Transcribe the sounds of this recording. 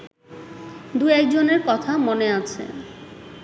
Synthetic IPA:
d̪uɛk̚d͡ʑoneɾkɔt̪ʰamoneat͡ɕʰḛ

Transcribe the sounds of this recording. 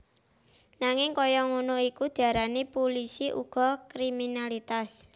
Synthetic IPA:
naŋɪŋkɔjɔŋunoikud̪̥i̤aɾanepolisiʔṵɡ̥ɔ̤kɾiminalit̪as

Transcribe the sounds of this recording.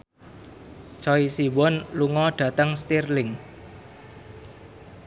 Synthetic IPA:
t͡ʃɔisiwɔnluŋɔɖ̥ä̤t̪əŋst̪irlɪŋ

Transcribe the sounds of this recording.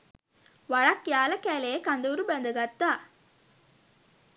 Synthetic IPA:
ʋaɻɐkjaːlɐkæːlejekand̪oɾubænd̪ɐɡat̪ːaː

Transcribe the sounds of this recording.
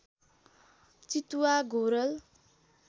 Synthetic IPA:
t͡sit̪uwaɡoɾʌl

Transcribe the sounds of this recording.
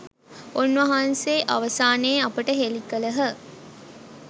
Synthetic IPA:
onʋɐɦanseːʔaʋɐsaːneːapəʈəɦelikələɦə

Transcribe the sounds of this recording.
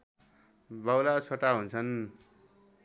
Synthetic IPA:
bawlat͡sʰoʈaɦunt͡sʰʌn

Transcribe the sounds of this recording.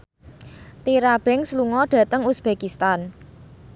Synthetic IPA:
t̪iɾab̥ɛ̤ŋsluŋɔɖ̥ä̤t̪əŋusb̥ekist̪an

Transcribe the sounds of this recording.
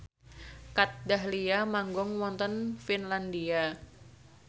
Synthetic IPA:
kat̪̚daɦliamaŋɡɔŋwɔnt̪ɔnfinlandia

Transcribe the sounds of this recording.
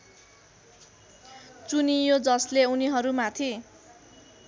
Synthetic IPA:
t͡sunijod͡zʌsleuniɦʌɾumat̪ʰi

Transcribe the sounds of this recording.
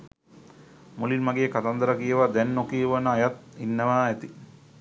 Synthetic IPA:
mulinʋaɡejːkat̪and̪əɾakijeʋad̪ɛnːokiəʋənəajat̪̚inːəʋæːæt̪i

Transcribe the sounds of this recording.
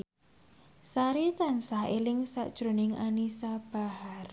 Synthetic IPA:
saɾit̪ansaelɪŋsa̰ʔd̥ʒ̥ɾonɪŋa̰nisab̥a̤har

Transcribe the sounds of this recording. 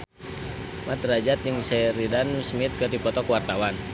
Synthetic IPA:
mat̪rad͡ʒat̪̚d͡ʒəŋsɛɾidanusmit̪̚kɨrdipɔt̪ɔkwart̪awan

